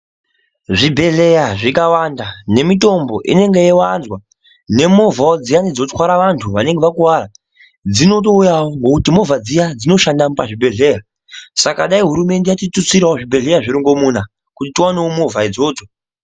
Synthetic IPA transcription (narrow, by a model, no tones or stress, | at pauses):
ʐibʱe̞ɮe̞jaʐikawandane̞mito̞mbo̞ʔḭne̞ŋɡe̞jewanzwa | ne̞movaod͡zijanid͡zo̞txwaɾaʋantʰuʋane̞ŋɡeʋakuwaːɾa | d͡zino̞t̬o̞ujawoŋɡokutimo̞vad͡zijad͡zinoʃandamupaʐibʱe̞ɮe̞ra | sakaɗaiɦuɾume̞nde̞jatitut͡siɾaoʐibʱe̞ɮe̞jaʐiɾiŋɡo̞muna | kutitiwaneomovʱaid͡zo̞ːto